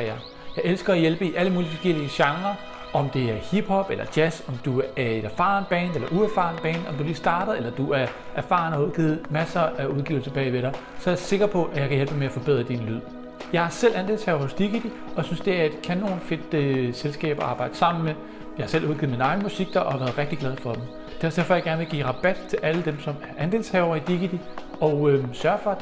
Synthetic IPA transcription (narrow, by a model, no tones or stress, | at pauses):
ɑ | jɑ̈ɪʔelsɡ̥ɐæjelb̥əiʔæləmuːlifɒ̽ɡ̥el̰iəɕɑ̈ŋɐ | ʔɒ̽md̥e̝æɐhib̥hɒ̽b̥elɐd̥jæsɒ̽md̥uæɐe̝d̥æfɑ̈ːnb̥ɛ̰ːnelɐʔuæfɑ̰̈ːnb̥ɛ̰ːnɒ̽md̥uliːsd̥ɑ̈ːd̥ðˠelɐd̥uæɐ | ʔæɐfɑ̰̈n̩hɑuðˠɡ̥ḭːð̩ˠmæsɐʔæuðˠɡ̥ḭːʊl̩sɐb̥ɛ̰ːɪʋeɾɑ̈ɪ | sɒ̽æɐse̝ɡ̥ʁɐpʰɒ̽ʔæjɑ̈kʰæjelb̥emeæfɒ̽b̥e̝ð̰ˠʁɐd̥inlyð̞̰ˠ | jɑ̈ɪhɑ̈sel̰ʔænd̥e̝̰lshɛ̰ʊɐhɔsd̥iɡ̥id̥i | ɒ̽synsd̥e̝æɐd̥kʰænːo̝ːnfe̝d̥øselsɡ̥ɛ̰ːb̥ɐʔɑ̈ːb̥ɑ̈ɪ̰d̥əsɑ̈m̰n̩me | jɑ̈hɑ̈selʔuð̞ˠɡiːð̩ˠminɑ̈ɪn̩musiɡ̥̚d̥ɑʔɒhɑ̈ʋæːɐðˠʁɛɡ̥̚d̥iɡ̥lɛð̞ˠfɒ̽d̥em̩ | d̥æ̰ɐsd̥e̝ɐfɒ̽jɑ̈ɡ̥æɐnʋe̝lɡḭːʁɑ̈b̥æd̥t͡sʰe̝lʔæləd̥emsɒ̽mæɐʔænd̥e̝ːlshɛʊɐid̥iɡ̥id̥i | ɒʊøsɶɐfɒ̽